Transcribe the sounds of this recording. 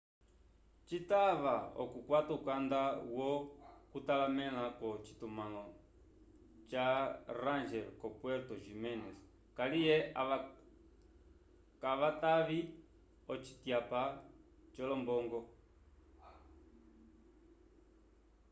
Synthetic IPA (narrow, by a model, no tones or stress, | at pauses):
t͡ʃitaβaɔ̰kukwataukandawɔkutalamɛlakɔt͡ʃi̥tumalɔ | t͡ʃaɾand͡ʒɛlkɔpwɛɾtɔʒimɛnɛs | kalijɛ | kaβataβi | ɔt͡ʃi̥tjapa | t͡ʃɔlɔmbɔŋɡɔ